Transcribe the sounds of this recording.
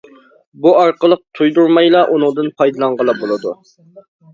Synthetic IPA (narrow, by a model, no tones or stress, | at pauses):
buɑɾqəlˠəq̚t̪ʰujd̪uɾmɑjlˠɑʔunʊŋd̪ɨnpʰɑjd̪ɨlˠɑɴʁəlˠɑbolˠɨd̪u